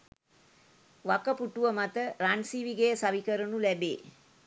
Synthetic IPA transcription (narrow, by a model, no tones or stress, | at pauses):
ʋakəpuʈuʋəmat̪əɾansiːʋiɡejəsaʋikəɾənulæbḛː